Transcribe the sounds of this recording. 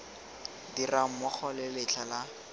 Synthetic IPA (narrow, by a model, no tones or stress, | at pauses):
diram̩mʊk͡xʰɔlɪlɪt͡ɬʰala